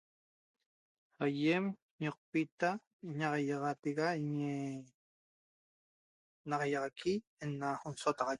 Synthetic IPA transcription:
ajem | ɲoq̚pit̪a | iɲɑʁɑjɑʁɑt̪eɣaiɲe | nɑʁɑjɑʁɑkʰienːaonsot̪ɑʁɑj

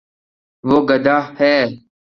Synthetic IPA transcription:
ʋoːɡəd̪aːhɛː

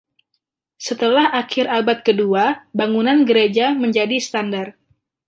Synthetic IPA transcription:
sət̪əlahʔakɪɾabat̪̚kəduabaŋunanɡəɾed͡ʒaməɲd͡ʒadist̪andar

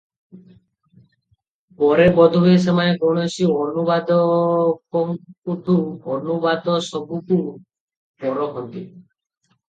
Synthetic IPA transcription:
pɔɾebɔd̪ʱubes̬emaneɡɔɽ̃esiɔnubad̪ɔkɔŋkut̪uɔnubad̪ɔsɔbuku | pɔɾɔɦɔnt̪i

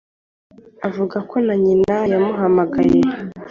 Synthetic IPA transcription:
avuɡakʰo̞naɲinajamuɦamaɡaɾe

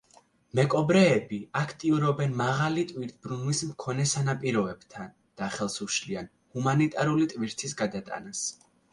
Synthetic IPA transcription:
mɛkʼɔbɾɛːbiakʰt̪ʼiuɾɔbɛnmaʁalit̪ʼwiɾt̪̚ʰbɾunlismkʰɔnɛsanapʼiɾɔɛb̥t̪ʰan | d̪̥aχɛlˠsuʃlian | humanit̪ʼaɾulit̪ʼviɾt̪ʰisɡad̪at̪ʼa̰nas

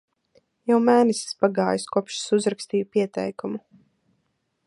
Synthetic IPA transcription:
jawmæːnɛsi̥spaɡaːjaskuɔpʃsuzɾakst̪iːjupiɛt̪ɛ̰jkumu

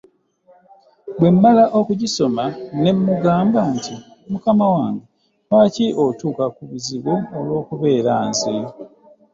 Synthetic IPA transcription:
bwe̞mːalaʔo̞kuɟiso̞mane̞mːuɡaːmbaːnti | mukamawaːŋɡe | waːciʔotuːkakuβuziβoːlwo̞ːkuβe̞ːɾaːnzi

